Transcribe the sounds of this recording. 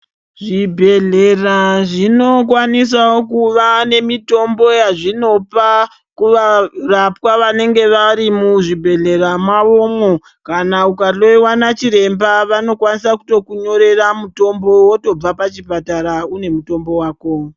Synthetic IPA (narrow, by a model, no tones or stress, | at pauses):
ʐibʱe̞ɮeraʐino̞k̬wanis̬awokuʋane̞mito̞mbo̞jaʐino̞pa | kuʋarapwaʋane̞ŋɡe̞ʋaɾimuʐibʱe̞ɮe̞ramaʋo̞mo | kanaukaɬo̞iwanat͡ʃiɾe̞mbaʋano̞kwanisakuto̞kuɲo̞ɾe̞ramuto̞mbo̞woto̞b͡vapat͡ʃipataɾaune̞muto̞mbo̞waːko̞